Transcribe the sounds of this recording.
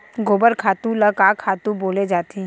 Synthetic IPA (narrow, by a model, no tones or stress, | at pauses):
ɡoːbəɾkʰaːt̪ũlɐkaːkʰːaːt̪ũboːled͡ʒaːt̪i